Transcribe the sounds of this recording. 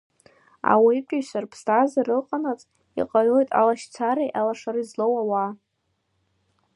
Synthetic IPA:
a̰wiikʷʲʼaʃʷarpʰstʰʼazarɨqʼanat͡sʼ | ḭqʼaɥojtʼa̰laʃt͡sʰaɾejʔalaʂaɾɨizlowawa

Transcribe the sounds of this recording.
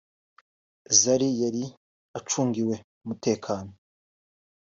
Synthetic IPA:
zaɾijaɾi | at͡ʃuːŋɡiwe̞ | umute̞ːkʰaːno

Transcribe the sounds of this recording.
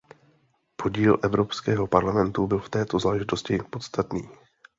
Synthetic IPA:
pʰo̞ɟiːlʔɛvɾo̞pskɛːɦo̞paɾlamɛnt̪ubɪlft̪ɛːt̪o̞zlaːʒɪt̪o̞scɪpo̞t̪st̪at̪niː

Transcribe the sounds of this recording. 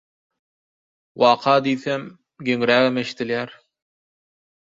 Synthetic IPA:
wɑqʰɑd̪iθæm | ɡɵ̆ŋɾæɘmɘ̆ʃt̪ɘ̆ljæɾ

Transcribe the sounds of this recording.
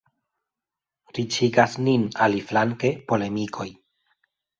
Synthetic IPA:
ɾit͡ʃiɡasninaliflaŋke̞po̞le̞mikʰo̞j

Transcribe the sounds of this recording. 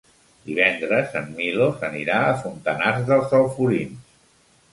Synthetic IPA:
d̪iβɛnd̪ɾəzəmːilosəniɾaəfunt̪ənazðəlˠzəlˠfuɾins

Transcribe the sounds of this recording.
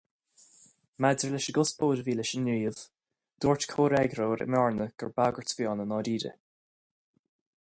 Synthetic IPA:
madəɹlɛʃəɡʊsbʰoːɾəviːlɛʃənːiːəv̥ | d̪̥oːɹtkʰoːɾɛɡɾoːɾɪ̰mɔɹnəɡ̥əɹbaɡəɹtv̥jɔːnənɑːɾiːɾə̰

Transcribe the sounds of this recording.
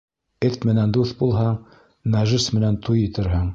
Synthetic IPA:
ɘt̪mɘ̆nænd̪uθbulˠɦɑɴ | næʒɘsmɘ̆nænt̪ʰujɘ̆t̪ɘ̆ɾɦɘɴ

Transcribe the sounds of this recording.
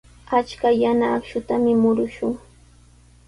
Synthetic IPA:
at͡ʃkajanaːkʃʊt̪amɪmʊɾʊʃʊŋ

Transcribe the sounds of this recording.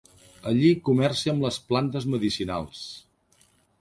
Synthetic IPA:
əʎikumɛrsiəmləsplant̪əzməðisina̰lˠs

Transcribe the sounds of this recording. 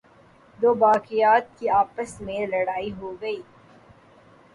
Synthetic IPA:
d̪oːbaːkɪjaːt̪̚kiaːpəsmẽlɐɽaːiɦoːɡɐiː

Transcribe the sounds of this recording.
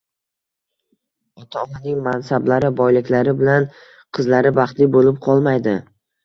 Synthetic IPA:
ɒt̪ʰaɔnanɪŋmansablaɾɪbɒjlɪkʲlaɾɪbɪlan | qʰɨzlaɾɪbɑχt̪lɪbolɪp̚qʰɒlˠmajd̪ɪ

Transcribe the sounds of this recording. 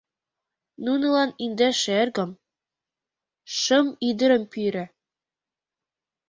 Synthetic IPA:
nunɤ̆lˠɑnind̪æʃerɡɤ̆m | ʃɤ̆mid̪ɘ̆ɾɘ̆mpiɾɘ̆

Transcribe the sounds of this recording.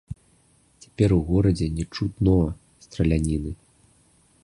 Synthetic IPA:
t͡sʲḁpʲɛɾuɣɔɾɐd͡zʲɛnʲɛt͡ʂut̪nɔ | st̪ɾɐlʲanʲinɨ

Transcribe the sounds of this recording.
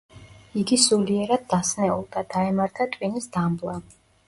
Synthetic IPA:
iɡisuliɛɾad̪̚ːasnɛṵlˠd̪̥ad̪̥aɛmaɾt̪ʰat̪ʼwinisd̪ambla

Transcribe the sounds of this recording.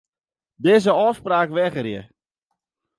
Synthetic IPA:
dɪːzəɔfspraːkʋɛɣərjə̰

